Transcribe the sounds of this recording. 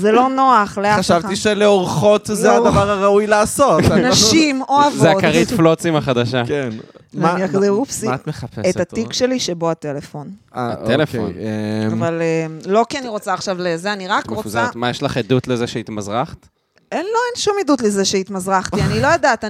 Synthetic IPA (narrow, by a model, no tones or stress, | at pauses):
zelo̞no̞aχleaχaʃavtiʃeleoʁχo̞t̪zeadavaʁaʁaujlaːso̞tnaʃimoavzeadkaʁit̪flot͡simaχad̪aʃakenmaniakod̪eufsit̪meapeset̪hat̪ikʃe̞liʃebo̞at̪e̞lefo̞naaelefo̰neavalemlo̞kianiʁot͡saːχʃavlezeaniʁakʁot͡satmajeʃlaχed̪ut̪lezeʃeit̪mazʁaχt̪ | enlo̞enʃumidutlezeʃeit̪mazʁaχt̪ianilo̞jod̪at̪a